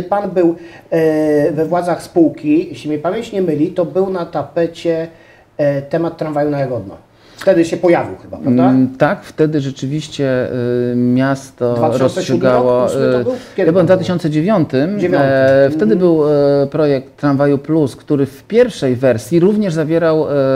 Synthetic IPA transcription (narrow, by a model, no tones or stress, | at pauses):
panbɘw | vɛvwad̪zaxspuwkʲiɕɛmɲɛpavʲjeɲt͡ɕɲɛmɘlʲit̪ɔbɘwnat̪apɛt͡ɕɛ | t̪ɛmat̪ːɾanvajunajaɡɔd̪na̰ | ft̪ɛd̪ɘɕɛpɔjavʲḭwxɘba̰pɾavd̪at̪akft̪ɛd̪ɘʐɛt͡ʂɘvʲiɕt͡ɕɛ | mʲjast̪ɔvɾɔsɔɡawɔ | ɛjabɘwɛmd̪vat̪ɘɕɔnt̪sɛd͡ʑevʲjɔnt̪ɘmjft̪ɛd̪ɘbɘwpɾɔjɛk̚t̪ːɾanvajupluskt̪uɾɘfpʲjɛɾfʂɛjvɛɾsʲjiɾuvɲɛʐzavʲjɛɾaw